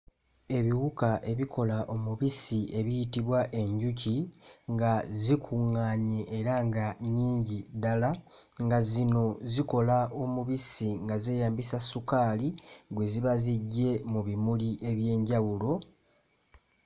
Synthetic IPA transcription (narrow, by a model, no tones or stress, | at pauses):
e̞βiɣukaʔe̞βikʰo̞laʔo̞muβisiʔe̞βijitiβwaʔe̞ɲɟuciŋɡazikʰuŋːaːɲeːɾaŋɡaɲiːɲɟidalaŋɡazino̞ziko̞laʔo̞muβisiŋɡazeːjaːmbisasukaːliɡwe̞ziβaziɟːe̞muβimuliʔe̞βje̞ːɲɟawulo̞